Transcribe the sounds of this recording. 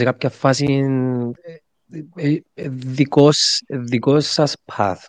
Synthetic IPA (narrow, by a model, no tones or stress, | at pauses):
sekapçɐfɐsin | ðikosðikosːɐspʰɐ̰θ